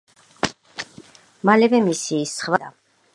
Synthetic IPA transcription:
malɛvɛmisiːsχvad̪a̰

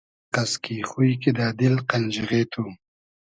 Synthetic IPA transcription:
qaskixujked̪aːd̪ɪlqand͡ʒiʁet̪ʰu

